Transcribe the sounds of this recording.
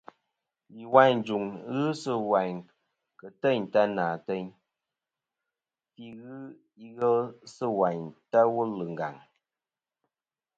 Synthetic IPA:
li˨wa˦˨ɲd͡ʒu˨ŋɣɨ˦sɨ˦wa˨ɲ | kə˨tɛ˦˨ɲta˦naː˨tɛ˦ɲ | fi˦ɣɨ˦ | i˦ɣɛ˦lsɨ˦˨wa˨ɲta˦wu˦lɨ˨ŋ˨ɡa̰˨ŋ

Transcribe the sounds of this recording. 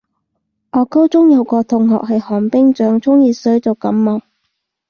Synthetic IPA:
ʔɔː˨˧kɐ˥wt͡sʊ˥ŋjɐ˨˧wkɔː˧t̪ʰʊ˨˩ŋhɔ̰ː˨k̚hɐ˨jhɔː˨˩ŋpɪ˥ŋt͡ʃœː˨˥ŋt͡sʰʊ˥ŋjiː˨˧sɵ˨˥ɥt͡sɐ˨wkɐ˨˥mmɐ˨˩w

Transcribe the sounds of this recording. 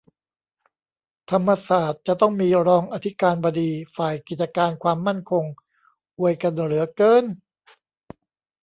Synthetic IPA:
t̪ʰa˧mːa˧saː˨˩t̪̚t͡ɕa˨˩t̪ɔ˥˩ŋmiː˧ɾɔː˧ŋʔa˧t̪ʰi˦˥kaː˧nbɔ˧diː˧faː˨˩jki˨˩t̪̚t͡ɕa˧kaː˧nkʰwaː˧mːa˥˩nkʰo˧ŋ | ʔu˨˩əjka˧nɾɯ˩˦ɐkɤː˧˥n

